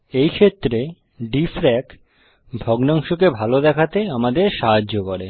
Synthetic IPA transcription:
ejkʰet̪ːɾe | ɖifɾɛk | bʱɔɡnaŋʃokebʱalod̪ɛkʰat̪eamad̪eɾʃaɦad͡ʑokoɾe

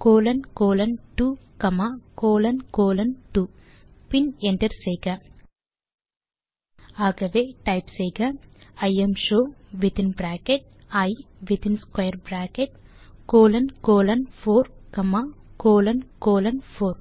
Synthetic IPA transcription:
koːlɐnkoːlɐnʈuːkɐmakoːlɐnkoːlɐnʈuː | pineɳʈɐɾsejɡɐ | aːɡɐʋeːʈɐjpsejɡɐɐjemʃoːʋit̪inbɾaːkeʈ̚ | ɐj | ʋit̪inskwɐjɐɾbɾaːkeʈ̚ | koːlɐnkoːlɐnpʰoːɾkɐmakoːlɐnkoːlɐnpʰoːɾ

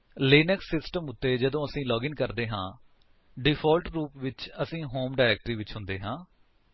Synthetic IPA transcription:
leːnɛksːɪsʈəmʊt̪ːeːd͡ʒəd̪õːəsĩːlɔːɡɪŋkəɾd̪eːɦã̰ː | ɖɪpʰɔːlʈɾuːpʋɪt͡ʃəsĩːɦoːmɖaːɾɛːk̚ʈɾiːʋɪt͡ʃɦʊ̃nd̪eːɦãː

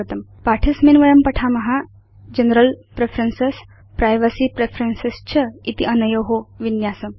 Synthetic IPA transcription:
ət̪əmpaʈʰisminʋəjɐmpəʈʰamɐɦa | d͡ʑənəɾəlpɾefʰɾənses | pɾajʋəsipɾefʰɾensest͡ɕʰəit̪iʔənəjoɦoʋinjasəm

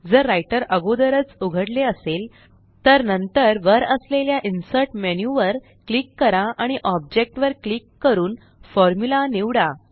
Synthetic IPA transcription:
d͡zəɾːajʈəɾəɡod̪əɾət͡suɡʱəɽleəsel | t̪əɾnənt̪əɾʋəɾəsleljaʔinsəɾʈmenjuʋəɾ | klikːəɾãʔaɽ̃iʔɔb̚d͡ʑek̚ʈʋəɾklikːəɾuːn | fɔɾmulaniʋɽa

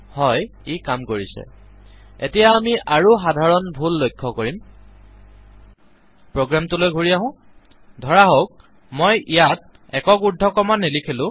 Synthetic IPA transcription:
hɔjikamkoɹisɛ̰ | ḛtijamiʔaɹuxadʱaɹɔnbʱulːojkʰːɔkoɹim | pɹoɡɹamtulojɡʱuɹiaɦʊ̃ | dʱɔɹaɦok̚ | mojʔijat̚ | ɛkɔkudʱɔkɔmanːilikʰilʊ̃

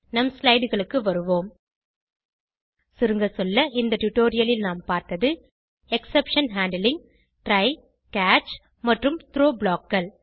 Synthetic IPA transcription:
nɐmslɐɪɽɯɣɐɭɯkːɯʋɐɾɯʋoːm | sɪɾɯŋɡɐsɔlːɐʔɪnd̪ɐʈʊʈːoːɾɪjɐlɪlnaːmpaːɾt̪ɐðɯ | ɛksɛpʂɐnɦaːɳɖɐlɪŋ | ʈɾɐɪ | kaːt͡ʃ | mɐʈrɯmt̪ɪɾoːbɭaːkɡɐɭ

